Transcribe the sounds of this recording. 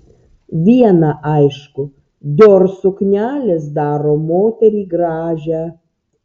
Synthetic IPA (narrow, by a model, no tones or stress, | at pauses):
ʋʲiɛnɑʔɐɪʃkʊ | d̪ʲoːɾsʊknʲæːlʲeːsd̪ɑːɾoːmoːt̪ʲɛɾʲiːɡɾɑːʒʲæ